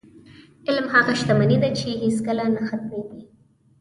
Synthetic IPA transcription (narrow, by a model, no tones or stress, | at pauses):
ɪlmhaɣaʃt̪amanid̪at͡ʃeɦeskəlanaxat̪̚meɡi